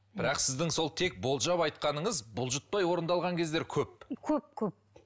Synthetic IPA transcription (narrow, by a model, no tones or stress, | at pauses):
b̥ɪɾɑqsɪzd̪ɪŋso̞lˠt̪ʰe̞k̚bo̞lˠʒɑpɑjt̪̚qɑnəɴəzbʊlˠʒʊt̪̚pɑjwo̞ɾənd̪ɑlˠʁɑŋkʲʰe̞zd̪e̞ɾkʲʰɵp̚kʲʰɵp̚kʲʰɵp̚